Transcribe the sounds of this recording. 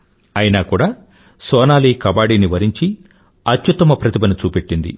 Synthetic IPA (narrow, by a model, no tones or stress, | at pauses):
ɐjinaːkuːɽaː | sɔːnaːliːkɐbaːɽiːniʋɐɾiɲt͡ʃi | ɐt̪jut̪ːɐmɐpɾɐt̪ibɐnut͡ʃuːpeʈːind̪ḭ